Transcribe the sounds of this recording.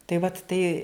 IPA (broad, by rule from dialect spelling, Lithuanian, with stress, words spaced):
tɐɪ ʋɐt ˈtɐɪ